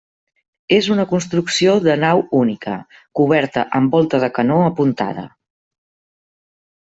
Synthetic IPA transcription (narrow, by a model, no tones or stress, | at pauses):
ezunəkunst̪ɾuksioðənawunikə̰ | kuβ̞ɛɾt̪əʔəmbɔlˠt̪əðəkənoəpunt̪a̰ðə̰